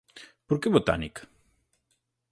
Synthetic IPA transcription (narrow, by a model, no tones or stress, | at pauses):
poɾkeβot̪a̰nik